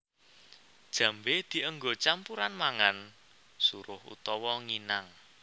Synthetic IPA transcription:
d̥ʒ̥ä̤mbed̪̥i̤əŋɡot͡ʃampuɾanmaŋan | suɾʊhṵt̪ɔwɔŋinaŋ

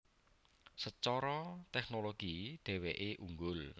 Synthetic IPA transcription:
sət͡ʃɔɾɔt̪ɛknoloɡ̥id̪̥ɛ̤weʔeʔuŋɡʊl

